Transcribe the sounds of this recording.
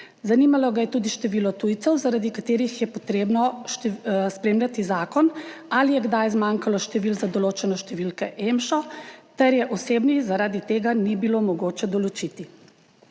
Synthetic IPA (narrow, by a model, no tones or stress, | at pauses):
zanimalɔɡajɛt̪uːd̪iʃt̪ɛʋiːlɔt̪ujt̪sɛwzaɾad̪ikat̪eːɾixjɛpɔt̪ɾeːbnɔʃt̪spɾeːmlʲjʲat̪izaːkɔnalijɛɡd̪ajzmaŋkalɔʃt̪ɛʋilzad̪ɔloːt͡ʃɛnɔʃt̪ɛʋilkɛʔemʃɔt̪ɛɾjɛʔɔseːbnizaɾaːd̪it̪eːɡanibilomɔɡoːt͡ʃɛd̪ɔlɔt͡ʃit̪i